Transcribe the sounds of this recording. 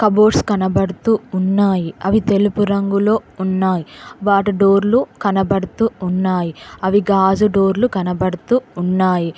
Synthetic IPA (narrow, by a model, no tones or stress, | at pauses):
kɐbo̞ːʈskɐnɐbɐɽut̪uːunːaːjiɐʋit̪e̞lupuɾɐŋɡulo̞ːunːaːjiʋaːʈiɖoːɾlukɐnɐbɐɽut̪uːnːaːjiɐʋiɡaːd͡ʒuɖo̞ːɾlukɐnɐbɐɽut̪uːnːaːji